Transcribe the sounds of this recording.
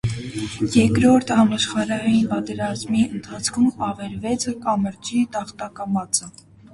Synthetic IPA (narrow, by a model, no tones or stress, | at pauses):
jɛkɾɔɾt̪ʰhɑmɑʃχɑɾɑinpɑt̪ɛɾɑzmiənt̪ʰɑt͡sʰkʰumɑvɛɾvɛt͡sʰkɑməɾd͡ʒit̪ɑχt̪ɑkɑmɑt͡sə